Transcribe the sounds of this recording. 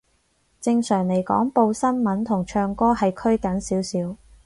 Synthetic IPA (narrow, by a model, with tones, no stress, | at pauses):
t͡sɪ˧ŋsœː˨˩ŋle˨˩jkɔ̰ː˨˥ŋpo˧wsɐ˥nmɐ˨˥nt̪ʰʊ˨˩ŋt͡ʃʰœː˧ŋkɔː˥hɐ˨jkʰɵ˥ɥkɐ˨˥nsiː˨˥wsiː˨˥w